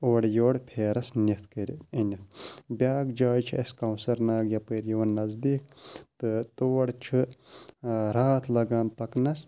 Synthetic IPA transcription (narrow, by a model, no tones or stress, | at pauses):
oːɽjoːɽpʰeːɾɐsniɐt̪ʰkɐɾʲɐnʲɐt̪ʰbʲaːɡd͡ʒaːjt͡ʃʰiɐskɐwsɐɾnaːɡjɐpəːɾjɐʋɐnːɐzd̪iːkt̪ɨt̪oːɐɽt͡ʃʰɨ | ɾaːt̪ʰlɐɡaːnp̪ɐknɐs